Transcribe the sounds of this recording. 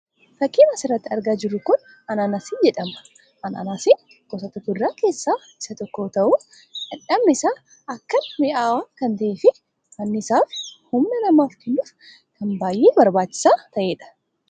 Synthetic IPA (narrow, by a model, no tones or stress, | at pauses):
fɐkːiːnɐsɪrːɐt̪ːɪɐɾɡaːd͡ʒɪɾːʊkʊn | ɐnanaːsɪnd͡ʒɛᶑɐmɐ̥ | ʔɐnɐ̰naːsɪn | ɡɔsɐt̪ɐk̪ːʊdɾaːke̞ːsːaː | ɪsɐt̪ɔkːo̞ːt̪ɐʔʊ | ɐᶑɐbnɪsaː | ɐkːɐnmɪʔaːwaːkɐnt̪ɐʔeːfɪ | mɐnːɪɪsaːfhʊmnɐnɐmaːfkɛnːʊːf | kɐnbaːjʔeːbɐɾbaːt͡ʃːɪ̥saːt̪ɐʔeːᶑɐ̥